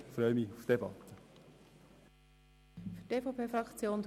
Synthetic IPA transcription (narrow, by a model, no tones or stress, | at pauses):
fɾœʏmiufd̪̥ebɑ̰t̪ə | fyteːfɑpʰeːfrɑkt͡sjoːn